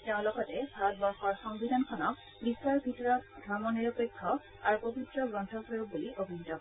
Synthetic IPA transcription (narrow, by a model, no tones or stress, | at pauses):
teʊ̃lɔkɔtɛbʱaɹɔt̚bɔɹxɔɹxɔŋbidʱankʰɔnɔk̚ | biswaɹbʱitɔɹɔt̚dʱɔɹmɔniɹɔpekʰːɔ | aɹupobitɹɔɡɹɔntʰɔkʰoɹuk̚buliʔobʱinitɔ